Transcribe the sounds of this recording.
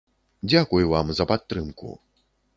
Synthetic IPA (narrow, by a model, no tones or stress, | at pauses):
d͡zʲakujvamzɐpat̪ːɾɨmkṵ